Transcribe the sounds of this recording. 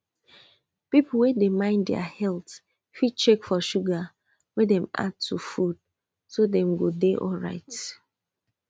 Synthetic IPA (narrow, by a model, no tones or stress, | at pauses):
pipl̩wedemãɪ̃ndɛ̰a̰hɛlt | fit͡ʃekfɔʃuɡa | wedɛ̃ma̰d̚tʰːufud̥̚ | sodɛ̃mɡodeʔɔlɹa̰ɪt